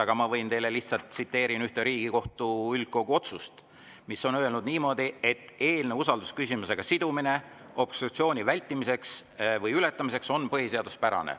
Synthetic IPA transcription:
ɑɡ̥ɑmɑvɤjnt̪e̞jle̞liçt̪sɑlt̪sit̪ːe̞ːɾinyht̪eɾiːɡ̥iko̞ht̪uyl̚ko̞ɡ̥uo̞t̪sust̪ | miso̞nøelnud̪̥niːmo̞d̪̥ie̞t̪ːˑe̞ːlne̞usɑld̪̥uskys̬ʲimuse̞ɡ̥ɑsid̪̥umine̞ | o̞b̥st̪rut̪sio̞ːnʲivælʲt̪ːˑimise̞ksvɤjyle̞t̪ːˑɑmise̞kso̞npɤɦhise̞ɑd̪̥uspæɾɑ̰nḛ

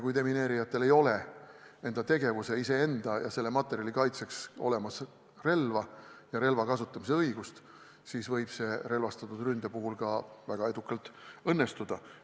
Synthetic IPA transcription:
kujt̪e̞mine̞ːɾijɑt̪ːˑe̞le̞jo̞le̞ | e̞nd̪̥ɑt̪e̞ɡe̞vuse̞ise̞e̞nd̪̥ɑjɑ̰se̞lːemɑt̪ːˑe̞ɾijɑlikɑjt̪se̞kso̞̰le̞mɑs | re̞lvɑjɑɾe̞lvɑkɑsut̪ˑːɑmis̬e̞ɤjɡ̥ust̪ | siːsvɤjb̥se̞re̞lvɑst̪ɑt̪ːˑud̪rynd̪̥epuɦulkɑvæɡ̥ɑe̞d̪̥ukːˑɑlt̪ːˑɤnːe̞st̪ud̪̥ɑ

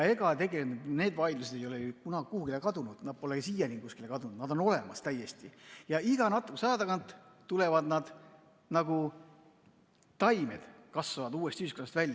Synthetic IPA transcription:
jɑe̞ɡɑt̪e̞ɡeleune̞ːd̪vɑjd̪lused̪e̞jo̞lejukunɑɡikuhuɡilekɑd̪unud̪̥nɑd̥̪̚po̞leɡsiːjɑnʲiŋkuskilekɑd̪unud̪nɑd̪o̞no̞le̞mɑst̪æjːe̞st̪ijɑiɡ̥ɑnɑt̪ːˑu̥kːsɑjɑd̪ɑkɑnt̪ˑt̪ːule̞vɑd̪nɑd̪̥ | nɑɡu | t̪ɑjme̞d̪̥kɑsvɑvɑd̪uːe̞st̪iyːskonɑst̪vælʲː

